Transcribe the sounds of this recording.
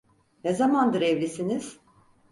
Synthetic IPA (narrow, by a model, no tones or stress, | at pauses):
nezamand̪ɯɾɛvlʲisiniz̥